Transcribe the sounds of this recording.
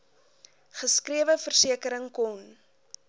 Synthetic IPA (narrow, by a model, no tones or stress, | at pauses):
χəskriəvəfərsiəkəɾəŋkɔn